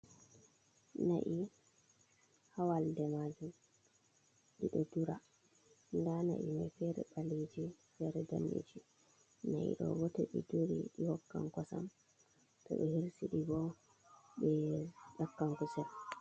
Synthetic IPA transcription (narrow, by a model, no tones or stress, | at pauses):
na̰ʔi | hawaldɛmad͡ʒum | ɗiɗɔduɾa | ndana̰ʔimafɛɾɛ̰ɓaled͡ʒi | fɛɾɛda̰nːḛd͡ʒi | naʔḭɗɔ̰wɔtɛɓɛdoɾiɗihɔkːaŋkɔsam | tɔɓɛhiɾsiɗiɡɔ | ɓɛɗakːaŋkusan